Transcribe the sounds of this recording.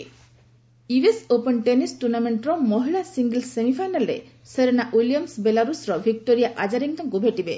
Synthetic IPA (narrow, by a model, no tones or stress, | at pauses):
iwesopenʈenisʈuɾnameɳʈɾɔmɔɦilasiŋɡelsemipʰajnalɾḛ | seɾenaʔwilijɔmsbelaɾusɾɔbʱik̚ʈoɾijaʔad͡ʒaɾiŋkɔŋkubʱeʈibe